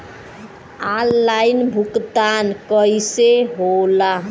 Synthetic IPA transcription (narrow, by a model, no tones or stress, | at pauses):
alːainbʱukt̪ankəiseɦola